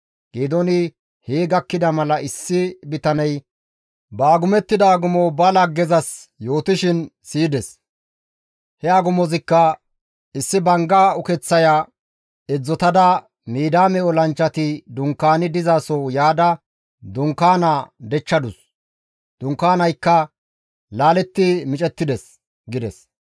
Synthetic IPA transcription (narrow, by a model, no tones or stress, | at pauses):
ɡ̥eːd̪ɔnɪ | heːɡɐkːɪd̪ɐmɐlɐɪsːɪbɪt̪ɐnɐj | baːɡʊmɛt̪ːɪd̪ɐːɡʊmɔbɐlɐɡːɛzɐsjo̞ːt̪ɪʃɪnsiːd̪ɛs | hɛaɡʊmɔzɪkːɐ | ɪsːɪbɐŋɡaːʊkɛt͡sːɐja | ɛd͡zːɔt̪ɐd̪ɐ | miːd̪aːmɛɔlɐnt͡ʃːɐt̪ɪd̪ʊŋkːaːnɪd̪ɪzaːsɔjaːd̪ɐ | d̪ʊŋkːaːnaːd̪ɛt͡ʃːɐd̪ʊs | d̪ʊŋkːaːnɐjkːɐ | laːlɛt̪ːɪmɪt͡ʃʼɛt̪ːɪd̪ɛs | ɡɪd̪ɛs